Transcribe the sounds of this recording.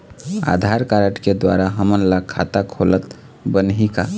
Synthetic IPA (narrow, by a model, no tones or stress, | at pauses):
a̰d̪ʱaɾkaɾəʈked̪wa̰ɾaɦəmənlakʰːa̰t̪akʰolət̪ | bənɦika